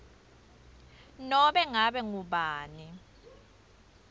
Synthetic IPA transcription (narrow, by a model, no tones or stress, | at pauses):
nɔɓɛŋaɓɛŋuɓaːni